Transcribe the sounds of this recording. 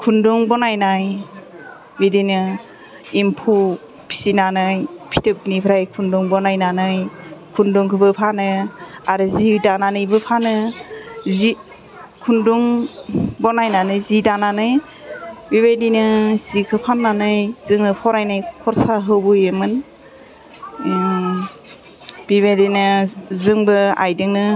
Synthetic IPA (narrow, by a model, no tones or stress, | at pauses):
kʰunduŋbɔnajnaj | bidinɯ | impʰu | pʰi̥sinanɯjpʰi̥tʰɯp̚nipʰɾajkʰunduŋbɔnajnanɯjkʰunduŋkʰɯbɯpʰanɯaɾɯzidananɯjbɯpʰanɯ | zi | kʰunduŋ | bɔnajnanɯjzidananɯj | biβedinɯz̥ikʰɯpʰanːanɯjz̥ɯŋnɯpʰɔɾajnajkʰɔɾsaɦɯwbɯjemɯn | b̥iβedinɯzɯŋbɯa̰jdɯŋnɯ